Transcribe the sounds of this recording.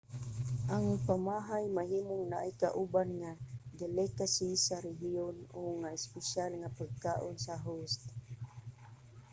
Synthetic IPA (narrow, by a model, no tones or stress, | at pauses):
ʔaŋpamaɦajmaɦimoŋnaʔajkaʔubanŋad̪ɛlɛkasisaɾɛɦionʊŋaɪspɛʃalŋapaɡ̚kaʔonsaɦust̪